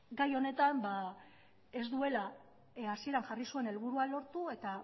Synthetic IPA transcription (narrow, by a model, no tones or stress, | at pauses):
ɡajo̞ne̞t̪amba | e̞zd̪ue̞la | asie̞ɾaŋʝarisue̞ne̞lβuɾualo̞ɾt̪ue̞t̪a